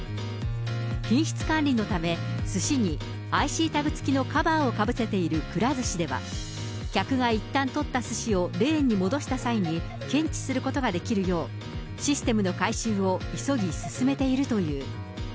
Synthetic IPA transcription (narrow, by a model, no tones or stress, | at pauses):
kʲĩɰ̃ɕi̥t͡sɨ̥kãnɾʲino̞t̪ame̞sɨɕiɲ̟i | aiɕiːt̪aɡɯ̟t͡sɨ̥kʲino̞kabaːo̞kabɯ̟se̞t̪e̞iɾɯ̟kɯ̟ɾazɨɕid̪e̞βa̰ | kʲakɯ̟ɡait̪ːãnt̪o̞t̪ːasɨɕio̞ɾẽ̞ːɲ̟ːimo̞d̪o̞ɕi̥t̪asaiɲ̟i | kẽ̞ɲ̟t͡ɕi̥sɨɾɯ̟ko̞t̪o̞ɡad̪e̞kʲiɾɯ̟jo̞ː | ɕisɨ̥t̪e̞mɯ̟no̞kaiɕɨːo̞iso̞ɡʲisɨ̥sɨme̞t̪e̞iɾɯ̟t̪o̞jɯ̟ː